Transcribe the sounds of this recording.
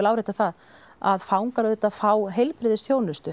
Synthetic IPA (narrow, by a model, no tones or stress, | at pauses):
lawɾejt̪aθað | a̰ðfawŋkaɾʏt̪aðfaːwɦejlpɾɪðɪsθjoːwnʏst̪ʏ